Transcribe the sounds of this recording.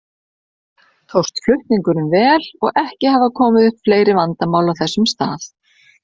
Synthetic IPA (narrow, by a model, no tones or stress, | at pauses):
t̪ʰowst̪flʏht̪niŋkʏɾnʏmvɛːlɔɣʔɛhcɪhavakʰɔːmɪðʏhpfleːjɾɪvant̪amaːwlawθɛsːʏmst̪aːθ